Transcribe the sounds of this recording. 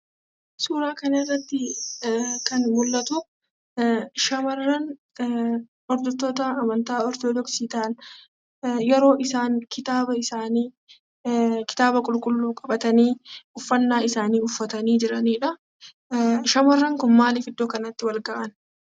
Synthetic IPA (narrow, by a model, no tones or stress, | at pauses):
suːɾaːkɐnɐɪrːɐt̪ːɪ | kɐnmʊlːɐt̪ʊ | ʃɐmɐrːɐn | ɔɾd̪ɔt̪ːoːt̪ɐːmɐnt̪aːɔɾt̪oːd̪ɔksiːt̪aːn | jɛɾo̞ːʔɪsaːŋkʰɪt̪aːbɐɪsaːniː | kɪ̥t̪aːbɐkʼʊlkʼʊlːuːkʼɐbɐt̪ɐniːʊfːɐnːaːɪsaːniːʊfːɐt̪ɐniːd͡ʒɪɾɐniːᶑɐ | ʃɐmɐrːɐŋkʊnmaːlɪfɪd̪ːoːkɐnɐt̪ːɪwɐlɡɐʔɐn